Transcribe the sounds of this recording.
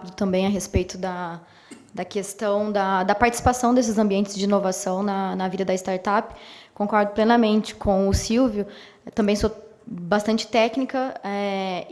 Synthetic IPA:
d̪ʊt̪ɐ̃mbẽj̃ɐɦespejt̪ʊd̪ɐ | d̪ɐkest̪ɐ̃w̃d̪ɐd̪ɐpaɾt͡ʃi̥si̥pasɐ̃w̃d̪es̬ɪzɐ̃mbiẽnt͡ʃɪzd͡ʒɪĩnovasɐ̃w̃nɐnɐvid̪ɐd̪ɐɪst̪aɾt̪apɪ̥kõkɔɾd̪ʊplenɐmẽnt͡ʃɪ̥kʰõw̃ʊsiwvjʊ | t̪ɐ̃mbẽj̃so | bast̪ɐ̃nt͡ʃɪ̥t̪ɛknikɐɛ

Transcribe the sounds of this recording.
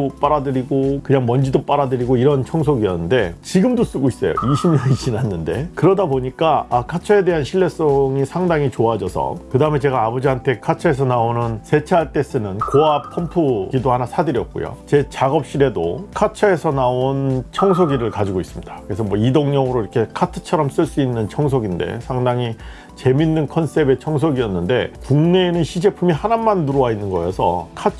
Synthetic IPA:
op͈aɾadɯɾiɡokɯɲaŋmʌnd͡ʑidop͈aɾadɯɾiɡoiɾʌnt͡ɕʰʌŋsʰoɡiʌ̰nːɯnde̞t͡ɕiɡɯmdos͈uɡois͈ʌjo̰iɕʰimɲʌniɕ͈inɦanːɯnde̞̰kɯɾʌdaboɲik͈aakʰat͡ɕʰʌe̞de̞ɦanɕʰiɭːe̞s͈ʌŋisʰaŋdaŋit͡ɕoad͡ʑʌsʰʌ̰kɯdaɯme̞t͡ɕe̞ɡaːbʌd͡ʑiɦantʰe̞kʰat͡ɕʰʌe̞s̬ʰʌnaonɯnsʰe̞t͡ɕʰaɭt͈e̞s͈ɯnɯnkoap̚pʰʌmpʰuɡidohanasʰadɯɾjʌk̚k͈o̰jo̰t͡ɕe̞t͡ɕaɡʌp̚ɕ͈iɾe̞do̰kʰat͡ɕʰae̞sʰʌnaont͡ɕʰʌŋsʰoɡiɾɯɭkad͡ʑiɡois͈ɯmɲidakɯe̞sʰʌmwʌidoŋɲʌŋɯɾoiɾʌkʰe̞kʰatʰɯ̥t͡ɕʰʌɾʌms͈ɯɭs͈uinːɯnt͡ɕʰʌŋsʰoɡinde̞̰sʰaŋdaŋi | t͡ɕe̞minːɯnkʰʌns͈e̞be̞t͡ɕʰʌŋsʰoɡiʌnːɯnde̞kuŋne̞ːnɯnɕʰid͡ʑe̞pʰumihanamːanːuɾowainːɯnɡʌjʌsʰʌ̰kʰat͡ɕʰ

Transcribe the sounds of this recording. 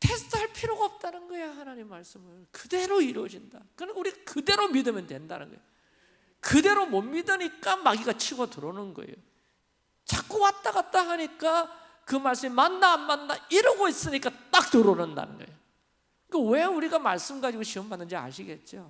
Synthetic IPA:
tʰe̞sʰtʰɯaɭpʰiɾjoɡaʌp̚t͈anɯnɡʌejahanaɲimimːaɭs͈ɯmɯɭkɯde̞ɾoiɾwʌd͡ʑind̥akɯɾʌuɾiɡakɯde̞ɾomidɯmjʌntwe̞nda̰nɯ̰nɡʌḛj | kɯde̞ɾomʌmːidɯɲik͈amaɡiɡat͡ɕʰiɡotuɾonɯnɡʌ̰ḛjo | t͡ɕak͈uwat̚t͈aɡat̚t͈aɦaɲik͈a | kɯmaɭs͈ɯmimanːaːmːanːaiɾʌɡois͈ɯɲik͈at͈ak̚tɯɾonɯnda̰nɯ̰nɡʌejo | kewe̞uɾiɡamaɭs͈ɯmɡad͡ʑiɡoɕiʌmbanːɯnd͡ʑia̰ɕʰiɡe̞t̚t͡ɕ͈o

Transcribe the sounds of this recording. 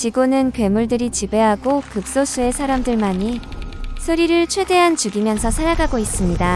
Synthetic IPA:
t͡ɕiɡonɯnkwe̞muɭdɯɾit͡ɕibe̞ɦaɡokɯk̚s͈os͈ʰue̞sʰaɾamdɯɭmaɲisʰoɾiɾɯɭt͡ɕʰwe̞de̞ɦant͡ɕuɡimjʌnsʰʌsʰaɾaɡaɡois͈ɯmɲida

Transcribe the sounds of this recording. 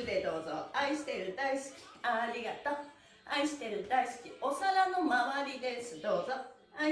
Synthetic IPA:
ɯd̪e̞d̪o̞ːzo̰aiɕi̥t̪e̞ɾɯ̟d̪aisi̥kʲi̥aːɾʲiɡat̪o | aiɕi̥t̪e̞ɾɯ̟d̪aisi̥kʲio̞saɾanomaβaɾʲid̪e̞sɨd̪o̞ːzo | a

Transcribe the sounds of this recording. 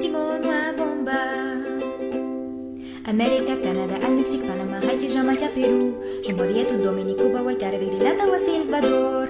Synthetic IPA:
simɔnwabɔ̃mba | amɛɾikakanad̪aʔalmeksik̚panamãɦajkiʒãmakapelu | ʒ̥ũmbɔɾiɛt̪und̪omenikubawalɡaɾaved̪ilat̪awasilvad̪ɔɾ

